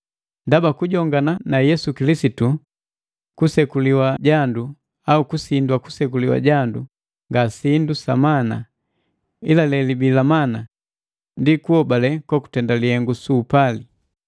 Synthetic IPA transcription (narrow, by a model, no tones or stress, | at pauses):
ndabakuɟɔŋɡananajɛsukilisitu | kusɛkuliwaɟandu | aukusindwaku̥sɛkuliwa̰ɟandu | ŋɡasindusamana̰ | ilalɛlibilamana | ndikuɔbalɛkwaku̥tɛndalihɛŋɡusuːpali